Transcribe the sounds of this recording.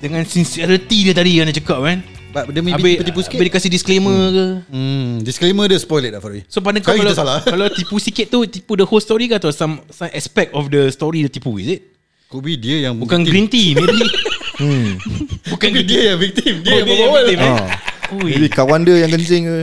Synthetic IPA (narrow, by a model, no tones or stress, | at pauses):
dəŋãnsinsiɛɾət̪idiət̪adikandat͡ʃəkap̚kan | bat̪dəmĩabɪt̪ipusibediəkasɪhdiskleməkə | disklemədəspɔjlɛt̪̚afaisop̬adãŋkakiləsalakalawt̪ipusikɪt̪̚t̪ut̪ipudəholst̪ɔɾikat̪ɔsãmsãmʔɛspɛk̚t̪ɔfdəst̪ɔɾidət̪ipuḭsit̪̚ | kobidiəjaŋbukanɡɾint̪im | bukandiəjaŋvik̚t̪imdiaəawəimaojbikawandəjaŋkəɲt͡ʃɪŋ